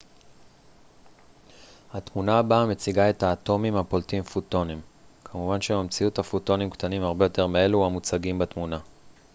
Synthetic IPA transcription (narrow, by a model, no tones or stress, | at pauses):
hatmunaːbame̞t͡siɡae̞taːt̪o̞mimapo̞ltimfuto̞nimkʰamuvanʃemamt͡siuthafuto̞nimktanimaʁbe̞jo̞te̞ʁmee̞luamut͡saɡimbatmuna